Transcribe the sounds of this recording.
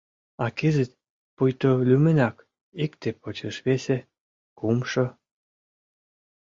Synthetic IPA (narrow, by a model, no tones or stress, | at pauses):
ɑkezet̪̚ | pujt̪olʲymĕnɑk | ikt̪epot͡ɕeʃβese | kumʃɤ̆